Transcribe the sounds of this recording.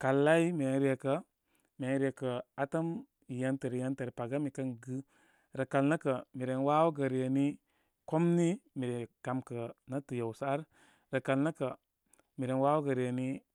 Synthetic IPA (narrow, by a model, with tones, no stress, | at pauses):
ka˨lːa˦i˦me˨˦n˦ɾi˦e˨kə˦ | me˨˦ɾi˦e˨kə˨a˦ta˦m | i˨ja˦ntə˨ɾi˨ja˦nte˨ɾpa˨ɡa˦mi˨kə˦nɡɨ˦ | ɾə˨ka˨lnə˦kə˨mi˨ɾe˨nwa˦wɡə˨ɾi˨je˨ni˦ | ko˦mni˦mi˨ɾe˨ka˨mkə˨na˦tə˨ja˨wsa˦a˦ɾ | ɾə˨ka˨lnə˦kə˨ | mi˨ɾe˨nwa˦wɡə˨ɾi˨je˨ni˦